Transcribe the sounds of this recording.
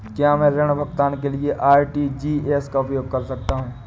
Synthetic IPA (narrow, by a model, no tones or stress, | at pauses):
kjaːmɛ̃ːɾɛɽ̃bʱɐɡt̪aːnkelieʔaːɾʈid͡ʒiːeːskaʊpjoːɡ̚kɐɾsɐk̚t̪aɦũː